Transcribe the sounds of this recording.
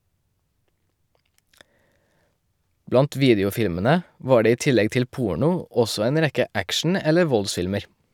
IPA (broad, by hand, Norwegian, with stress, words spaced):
ˈblɑnt ˈʋiːdɪʊˌfɪlmənə ˈʋɑː ˈɖeː ˈiː ˈtɪlɛɡ ˈtɪl ˈpuːɳʊ ˈɔsɔ ˈeːn ˈɾɛkə ˈækʃn̩ ˈɛlə ˈʋɔlˌsfɪlməɾ